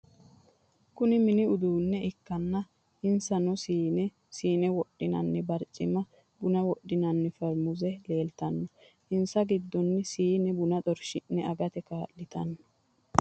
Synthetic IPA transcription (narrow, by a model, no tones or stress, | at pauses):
kʊnɪmɪnɪʊd̪uːnːɛɪkːɐnːɐ | ɪnsɐnɔsiːnɛ | siːnɛwɔɗːɪnɐ̰nːɛbɐɾt͡ʃʼːɪmɐ | bʊnɐwɔɗːɪnɐnːɛfɛɾmʊzɛle̞ːlt̪ɐnːɔ | ʔɪnsɐɡɪd̪ːɔnːɪsiːnɛbʊnɐt̪ʼɔɾʃɪnːɛɐɡɐt̪ɛkaːllɪt̪ɐnːɔ̥